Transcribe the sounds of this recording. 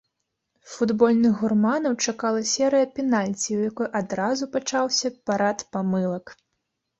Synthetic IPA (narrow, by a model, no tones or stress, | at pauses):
fud̪bɔlʲnɨɣɣurmanɐwt͡ʂakalˠɐsʲɛɾɨjɐpʲɛnalʲt͡sʲiwjakɔjʔad̪ɾazupat͡ʂawsʲɐpaɾat̪pamɨlˠɐk